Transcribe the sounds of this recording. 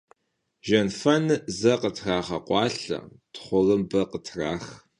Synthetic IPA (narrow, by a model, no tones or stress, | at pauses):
ʒɐnfɐnɨzɐqətʰraːχɐqʷɑːɬɐ̰ | tʰχʷʊɣɨmbɐqətʰraːx